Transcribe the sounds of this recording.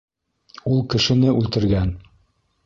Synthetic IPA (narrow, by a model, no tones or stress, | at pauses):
ulˠkɘ̆ʃɘ̆nɘʔʉlt̪ɘ̆ɾɡæn